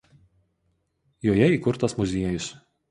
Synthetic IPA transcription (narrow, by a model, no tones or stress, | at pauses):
joːjɛiːˑkʊɾt̪ɐsmʊzʲiɛjʊs